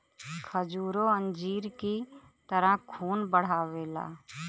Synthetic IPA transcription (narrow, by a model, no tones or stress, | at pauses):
kʰəd͡ʒuːɾoə̃nd͡ʒiːɾki | t̪əɾəɦkʰuːnbəɽ̤aːweːla̰ː